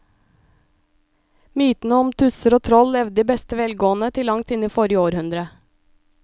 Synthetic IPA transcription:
myːt̪n̩əɔmt̪ʰʉsəɾoːt̪ʰɾɔlɛʋd̪d̪iːbɛst̪əʋɛlɡoːnət̪ʰɪlːɑŋt̪ɪniːfɔɾɪəoːɾhʉnd̪ɾə

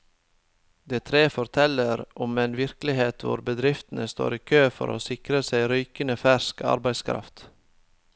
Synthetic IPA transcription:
d̪eːt̪ʰɾeːfɔɾt̪ʰɛləɾʔɔmeːnʋɪɾklɪheːt̪ʰʋʊ̰ɾbəd̪ɾɪft̪n̩əst̪o̰ːɾiːkʰøːfɔ̰ɾʔo̰ːsɪkɾəsæɪɾyːkənəfæʃkɑ̰ɾbæɪskʰɾɑ̰ft̪

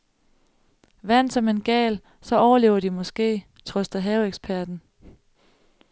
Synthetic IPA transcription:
ʋæn̰d̥sɒ̽me̝nɡ̥ɛ̰ːl | sɒ̽ɒʊɐle̝ːʊɐd̥imɒ̽sɡ̥e̝̰ː | t͡sʰʁɔsd̥ɐɦɛʊeɡ̥sb̥ʰæɐd̥n̩

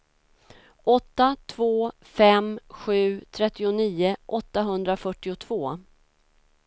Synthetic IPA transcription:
ʔɔt̪ːat̪ʰvoː | fɛmɧʉ̟ːt̪ʰɾɛt̪ːɪʊniːʊʔɔt̪ːaɦɵnd̪ɾafœʈːɪʊt̪ʰv̥oː

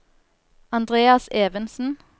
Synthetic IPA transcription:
ɑnd̪ʁeːɑseːʋənsn̩

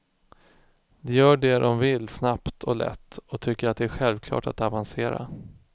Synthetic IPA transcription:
d̪ɛjœːɖɛdɔmvɪlːsnapt̪ʰɔlɛ̰t̪ːɔt̪ʰʏkːəɾat̪̚d̪ɛæɾɧɛlvkʰlɑ̰ːʈat̪avanseːɾa̰

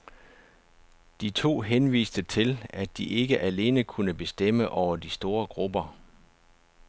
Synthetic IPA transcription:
d̥it͡sʰo̝̰ːɦenʋḭːsd̥ət͡sʰe̝læd̥iʔe̝ɡ̥əʔæle̝̰ːnəkʰunəb̥e̝sd̥em̰əʔɒʊɐd̥isd̥o̝ːɐɡ̥ʁub̥ɐ

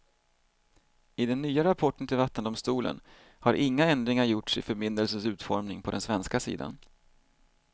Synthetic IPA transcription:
ɪd̪ɛnːyːaɾapʰɔʈːənt̪ʰɪlvat̪ːənd̪ʊmst̪uːlə̰n | haɾʔɪŋːaɛnd̪ɾɪŋaɾjʊʈsɪfœɾmɪnd̪əlsənsʉ̟ːt̪fɔɾmnɪŋpʰɔd̪ɛnsvɛnskasḭːd̪a̰n

